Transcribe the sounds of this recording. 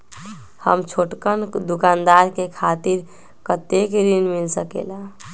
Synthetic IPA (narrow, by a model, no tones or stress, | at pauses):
hə̰mt͡ʃʰoʈkənd̪ukand̪aɾkekʰat̪iɾ | kət̪ekɾinmilsəkḛla